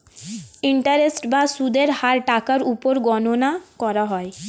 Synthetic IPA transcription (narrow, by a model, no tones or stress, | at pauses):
iɳʈaɾesʈbasud̪ʱeɾhaɾʈakaɾupoɾɡɔnonakɔɾaɦɔe